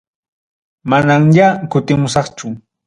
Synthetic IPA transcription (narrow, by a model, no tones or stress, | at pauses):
manaŋʎakʊt̪ɪmʊsɑχt͡ʃʊ